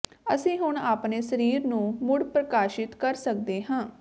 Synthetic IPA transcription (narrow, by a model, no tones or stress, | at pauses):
əsĩːɦʊɳaːpneːsəɾiːɾnũːmʊɽpɾəkaːʃɪt̪kəɾsək̚d̪eːɦãː